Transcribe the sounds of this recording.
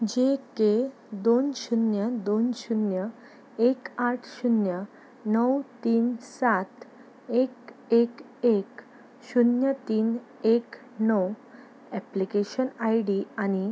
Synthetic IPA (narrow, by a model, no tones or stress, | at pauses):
d͡ʑeke | d̪onɕunjəd̪onɕunjə | ekaʈʰɕunjə | nəwt̪iːnsat̪ | ekek | ek | ɕunjət̪iːn | ek | nəw | ɛplikeɕənajɖiañi